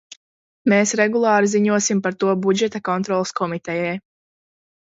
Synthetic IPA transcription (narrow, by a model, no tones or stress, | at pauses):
meːsɾɛɡulˠɑːɾiziɲuɔsimpaɾt̪uɔbud͡ʒɛt̪akɔnt̪ɾɔːlˠskʰɔmit̪ɛjɛj